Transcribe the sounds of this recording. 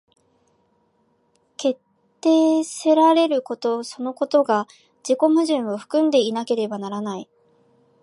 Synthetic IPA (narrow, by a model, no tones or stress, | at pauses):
ke̞t̪ːe̞ːseɾaɾe̞ɾɯ̟ko̞t̪o̞so̞no̞ko̞t̪o̞ɡa | d͡ʑiko̞mɯ̟ʑĩɰ̃o̞ɸɯ̟̥kɯ̟̃nd̪e̞inake̞ɾe̞banaɾanai